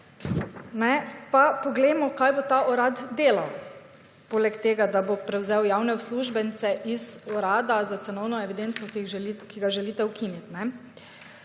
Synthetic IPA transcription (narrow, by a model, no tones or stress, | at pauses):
nɛpapɔɡlɛjmɔkajbot̪aʔɔɾad̪d̪eːlaw | poːlɛkt̪eːɡad̪abopɾɛwzɛwjawnɛwsluːʒbɛnt̪sɛʔizɔɾaːd̪azat̪sɛnɔwnɔɛʋid̪entsɔkikiɡaʒɛlit̪ɛwkinit̪nɛ